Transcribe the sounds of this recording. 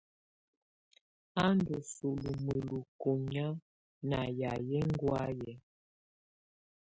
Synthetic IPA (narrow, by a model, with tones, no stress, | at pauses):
a˦n˦du˨su˨lu˨mə˨lu˨ko˨m˦a˦ | na˨ja˨jɛ˦ŋ˦ɡwa˦jɛ˨